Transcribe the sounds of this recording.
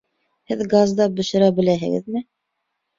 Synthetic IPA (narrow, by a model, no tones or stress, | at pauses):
hɘðɡazd̪ɑbɵ̆ʃɘ̆ɾæbɘ̆læɦɘ̰̆ɡɘ̰ðmɘ